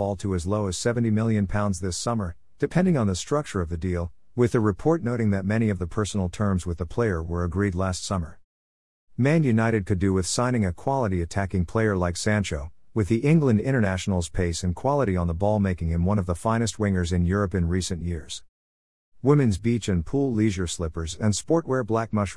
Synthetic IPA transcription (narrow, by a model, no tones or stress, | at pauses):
ɔlˠtʰəɨzloʊɨz̥sɛṽn̩timɪlˠjɨ̃npʰãʊ̃ndzðɪsʌmə˞ | d̥ɨpʰɛ̃ndɪ̃ŋə̃nðəstɹ̥ʌk̚t͡ʃə˞ʌvðɨdilˠwɨðɨɹɨpʰɔɹtⁿnoʊɾɪ̃ŋðɨt̚mɛɾ̃iʌvðɨpʰɜ˞sn̩l̩ˠtʰɜ̃˞mzwɨðəpʰl̥eɪə˞wə˞ɨɡɹidˡlæstsʌmə˞ | mæ̃njʉnaɪɾɨd̚kʰɨdɨwɪð̥sãɪ̃ñɪ̃ŋɨkʰw̥ɑlˠəɾiɨtʰækɪ̃ŋpʰl̥eɪə˞laɪksæ̃nt͡ʃoʊwɨðiʔɪ̃ŋɡlɨ̃ndɪ̃ɾ̃ə˞næʃn̩l̩ˠz̥pʰeɪsɨ̃nkʰw̥ɑlˠəɾiə̃nðəbɔlˠmeɪkɪ̃ŋɨ̃nwʌ̃ñʌvðəfãɪ̃nɨst̚wɪ̃ŋə˞zɨ̃njʊɹɨpɨ̃nɹisɨ̃njɪɹz̥ | wɪ̃mɨ̃nzbit͡ʃɨ̃npʰulˠliʒə˞slɪpə˞zɨ̃nspɔɹt̚wɛɹblæk̚mʌʃ